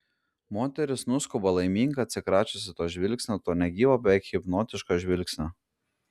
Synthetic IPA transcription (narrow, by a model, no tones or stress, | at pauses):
moːt̪ʲɛɾʲɪsnʊskʊbɐlˠɐɪmʲiːŋɡɐɐt̪ʲsʲɪkɾɑːt͡ʃʲʊsʲɪt̪oːʒʲʋʲɪlʲksʲnʲoːt̪oːnʲɛɡʲiːʋoːbʲɛkxʲɪpnoːt̪ʲɪʃkoʒʲʋʲɪlʲksʲnʲo